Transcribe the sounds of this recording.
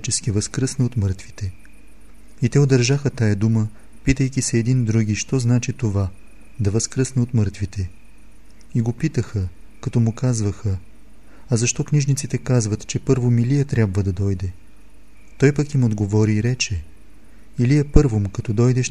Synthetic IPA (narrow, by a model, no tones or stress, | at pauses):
t͡ʃɛskivəskɾɤsnɛot̪mɤɾt̪vit̪ɛ | it̪ɛod̪ɐɾʒaxət̪ajɐd̪umə | pit̪əjkʲisɛːd̪ind̪ɾuɡʲiʃt̪ɔznat͡ʃit̪ova | d̪ɐvəskɾəsnɛot̪mɤɾt̪vit̪ɛ | iɡopit̪əxə | kɐt̪ɔmʊkazvəxə | ɐzɐʃt̪ɔkniʒnit̪sit̪ɛkazvət̪t͡ʃɛpɤɾvomilijɛt̪ɾʲjabvəd̪ɐd̪ɔjd̪ɛ | t̪ɔjpɐkimod̪ɡovɔɾiːɾɛt͡ʃɛ | ilijɛpɤɾvomkɐt̪ɔd̪ɔjd̪ɛʃ